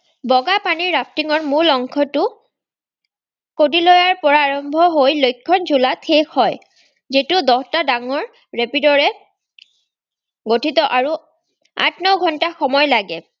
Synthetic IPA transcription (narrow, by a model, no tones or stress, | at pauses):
bɔɡapaniɹːap̚tiŋɔɹmulɔŋkʰɔtʊ | kodilɔjaɹpɔɹaːɹɔmbʱɔɦojlojkʰːɔnzulatxexɔj | zitʊdɔhtadaŋɔɹ | ɹepidɔɹɛ | ɡotʰitɔʔaɹu | a̰tnɔɡʱɔntaxɔmɔjlaɡɛ